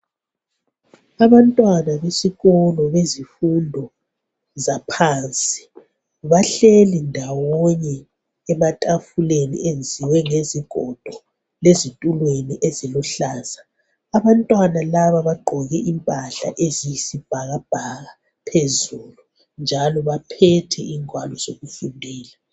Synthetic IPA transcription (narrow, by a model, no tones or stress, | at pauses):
aβantʼwanaβesiɣɔlɔβezifundʱɔ | zapʰant͡sʼi̥ | βaɬelindʱawɔɲɛː | matʼafulenḭʔend͡zʱiwɛŋeziɡ̥ʱɔd̥ʱɔ | lezitʼulweniʔezilɔɬaːza | aβantʼwanalaβaβaɡ͡ǃʱɔɣɛʔimpʼaɬa̰ʔezijisib̥ʱaɣab̥ʱaɣa | pʰezuːlu | nd͡ʒʱalɔβapʰɛtʰɛ̰ʔiŋwalɔz̥oɣufundʱɛːla